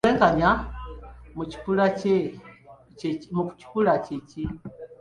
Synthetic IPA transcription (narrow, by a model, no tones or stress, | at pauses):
lɛŋɡaɲa | mut͡ʃi̥pulat͡ʃɛ | muku̥t͡ʃi̥pulat͡ʃici